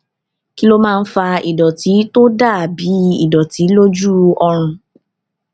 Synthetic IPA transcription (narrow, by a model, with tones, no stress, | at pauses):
ki˦lo˦mãː˦˧n̩˦fa˧i˨dɔ˨ti˨˦to˦da˦˨bi˨˦i˦˨dɔ˨ti˨˦lo˦d͡ʒu˦ɔ˧ɾ̃ũ˧